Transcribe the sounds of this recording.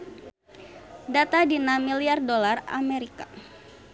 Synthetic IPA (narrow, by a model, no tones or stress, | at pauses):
dat̪adinamiliardolara̰meɾika